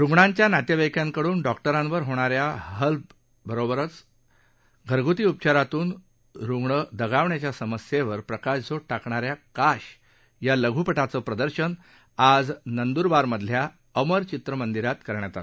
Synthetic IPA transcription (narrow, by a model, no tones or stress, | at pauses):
ɾuŋɡɳãɲt͡ɕjanat̪jəʋəjkjaŋkəɽuːnɖɔk̚ʈəɾãnʋəɾɦoɽ̃aɾjaɦəlp | bəɾobəɾət͡s | ɡʱəɾɡʱut̪iːup̚t͡ɕaɾat̪uːn | ɾuŋɡɳəd̪əɡaʋɳjat͡ɕjasəməsjeʋəɾpɾəkaɕd͡zoʈakɳaɾjakaɕ | jaləɡʱupəʈat͡səːpɾəd̪əɾɕən | ad͡znənd̪uɾʋaɾməd̪ʱlja | əməɾt͡ɕit̪ɾəmənd̪iɾat̪kəɾɳjat̪a̰t̪